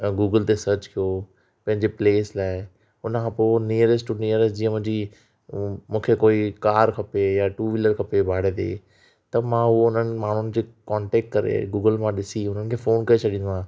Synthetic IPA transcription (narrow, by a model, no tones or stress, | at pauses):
ɡuːɡəlt̪esɐɾt͡ɕkʰijo | pɐ̃ɦɪ̃ɲd͡ʑepleːslaːɪ | ʊnəkʰãponiːəɾɪsʈʊniəɾɪsʈd͡ʑiːə̃mʊ̃ɦɪ̃ɲd͡ʑi | mũːkʰekoːikaːɾkʰɐpejaʈuːʋɪləɾkʰɐpebʱaːɽ̤ẽd̪ḛː | t̪ɐmãɦʊoʊn̤ənɪ̆maːɳ̤ʊnɪ̆d͡ʑeːkɔ̃ːɳʈeːk̚ʈkɐɾḛɡuːɡəlmãɗɪsiʊn̤ənɪ̆kʰẽːfoːnkɐet͡ɕʰɐɗĩnd̪uãː